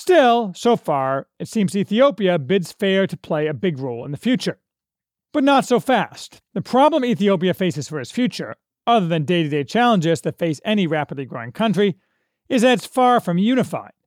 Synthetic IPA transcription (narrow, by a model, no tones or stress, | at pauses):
stɪlˠsoʊfɑɹɨtsĩmziθioʊpiɨbɪdz̥fɛɹɾɨpʰl̥eɪɨbɪɡɹoʊlˠə̰̃nðɨfjʉt͡ʃə˞ | b̥ʌtⁿnətsoʊfæstðɨpʰɹ̥ɑblə̃miθioʊp̬iɨfeɪsɨz̥fə˞ɨz̥sfjʉt͡ʃə̰˞ | ʌðə˞ðɨ̃ndeɪɾɨdeɪt͡ʃʰælˠə̃nd͡ʒɪz̥tʰɨfeɪsɛniɹæpədˡliɡɹoʊɪ̃ŋkʰʌ̃nt͡ʃɹ̥i | ɨzɨtsfɑɹfɹʌ̃mjʉñɨfa̰ɪd̥̚